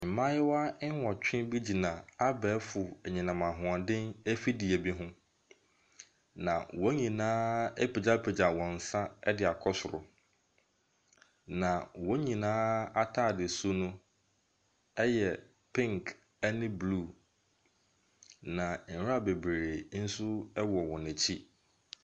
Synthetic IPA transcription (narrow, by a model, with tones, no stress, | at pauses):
m̩˨mã˦jɪ˦wa˦wɔ˨t͡ɕᶣɪ̃˦bi˦d͡ʑi˨nã˨a˦bɛː˨˦fʊ˨ɲĩ˨nã˨mã˨ɦʊ̃˨ã˨dɪ̃˦ne˦fi˦di˨ɛ˨bi˦ɦʊ̃˦ | nã˨wɔ˦ɲĩ˨nãː˦e˦pʰe˨d͡ʑa˦pʰe˨d͡ʑa˨wɔ̃˨n̩˨sã˦ɛ˦dɪ˨a˨kʰɔ˦sʊ˨ɾʊ̰˨ | nã˨wɔ˦ɲĩ˨nãː˦a˦tʰaː˦˨dɪ˨su˦nʊ̃˦ | ɛ˦jɛ˨ | pʰɪ̃˦ŋkʰ | ɛ˦nɪ̃˦blu˦˨ | nã˨n̩˨˦a˦˨be˨bɾe˨ɾe˨n̩˦sʊ˦ɛ˦wɔ˨wɔ̃˨nɪ̃˨t͡ɕʰi˦